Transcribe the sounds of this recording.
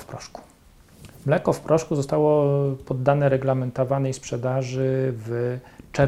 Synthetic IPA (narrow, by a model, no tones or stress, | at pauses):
fpɾɔʂku̥ | mlɛkɔfpɾʔɔʂkuzɔst̪awɔpɔd̪ːanɛɾɛɡlamɛnt̪ɔvanɛjspʂɛd̪aʐɘvt͡ʂɛ